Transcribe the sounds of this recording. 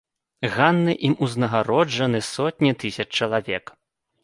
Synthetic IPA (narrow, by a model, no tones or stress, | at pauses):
ɣanːɨʔimuznɐɣaɾɔd͡ʐɐnɨsɔt̪ʲnʲit̪ɨsʲɐt͡ʂt͡ʂɐlˠavʲɛk